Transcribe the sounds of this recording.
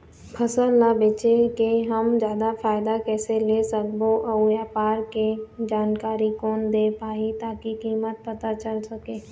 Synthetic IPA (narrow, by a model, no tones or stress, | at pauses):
pʰɐsəlːabeːt͡ʃekeɦəmd͡ʒjaːd̪afʰaːjɪd̪akɛːselesək̚boʔəjaːpaːɾked͡ʒaːnkaːɾikɔːnd̪eːpaːit̪aːkikiːmət̪̚pɐt̪at͡ʃɐlsɐkeː